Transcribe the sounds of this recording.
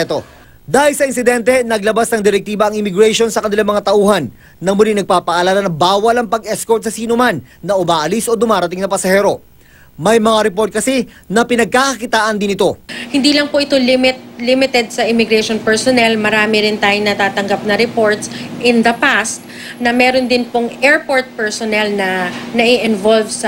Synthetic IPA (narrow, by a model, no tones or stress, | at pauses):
t̪o̞ | d̪aːhɪlsɐɪnsɪd̪ɛnt̪ɛnɐɡlɐbasnɐŋd̪ɪɾɛk̚t̪iːbɐʔɐŋɪmɪɡɾɛʃo̞nsɐkɐnɪlaŋmɐŋat̪ɐʔuːhɐnː | ɐmʊliŋnɐɡ̚paːpɐʔɐlaːlɐnɐbaːwɐlɐŋpɐɡʔɛskoɾt̪sɐsiːnomanːɐʔʊmaːʔɐlisʔo̞d̪ʊmaːɾɐt̪ɪŋnɐpɐsɐhɛːɾo̞ | mɐjmɐŋaɾɛpo̞ɾt̪̚kɐsɛ | nɐpɪnɐɡ̚kaːkɐkɪt̪aːʔɐnd̪ɪnɪt̪o̞hɪnd̪iːlɐŋpoʔɪt̪olɪmɪt̪̚limɪt̪ɛd̪̚sɐʔɪmɪɡɾɛjʃonpɛɹsonɛlmɐɾaːmɪɾɪnt̪aːjoŋnɐt̪aːt̪ɐŋɡap̚nɐɾɛpo̞ɹt̪sʔɪnd̪ɐpast̪̚ | nɐmɛːɾond̪ɪnpoŋɛɹpoɹt̪̚pɛɹsonɛlnɐnɐʔɪʔɪnvolvsɐ